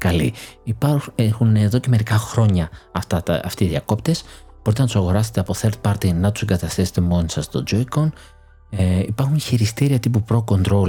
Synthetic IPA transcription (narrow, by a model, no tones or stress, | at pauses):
kɐlḭipɐexuneðo̞ce̞me̞ɾikɐxɾo̞ɲɐɐft̪ɐt̪ɐft̪iːðiɐko̞pt̪e̞s | bo̞ɾit̪enɐt̪u̥sɐɣo̞ɾɐset̪eɐpoθeɾt̪̚pɐɾt̪inɐt̪u̥seŋɡɐt̪ɐst̪ese̥t̪e̞mo̞nisɐst̪o̞̰d͡ʒoikon | ipɐɾxunçiɾist̪iɾiɐt̪ipupɾo̞ko̞nd̪ɾo̞l